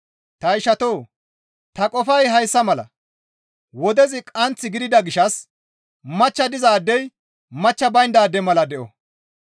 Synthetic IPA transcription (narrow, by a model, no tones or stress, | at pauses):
t̪ɐɪʃɐt̪oː | t̪ɐkʼɔfɐjɦɐjsːɐmɐlɐ̰ | wɔd̪ɛzɪkʼɐnt͡sːɪɡɪd̪ɪd̪ɐɡɪʃɐs | mɐt͡ʃːɐd̪ɪzaːd̪ːɛj | mɐt͡ʃːɐbɐjnd̪aːd̪ːɛmɐlɐd̪ɛʔɔ̰